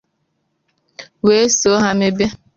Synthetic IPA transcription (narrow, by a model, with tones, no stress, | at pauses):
we˦so˦ɦa˦me˦be˦